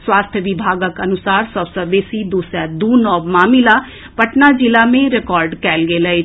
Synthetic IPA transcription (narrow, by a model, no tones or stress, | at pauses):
swaːst̪ʰjəʋɪbʱaːɡəkənʊsaːɾsəbsəbeːsid̪uːsjad̪uːnɔːbmaːmɪlaː | pəʈnaːd͡ʒɪlaːmẽɾɪkɔːɾɖkɛːlɡeləe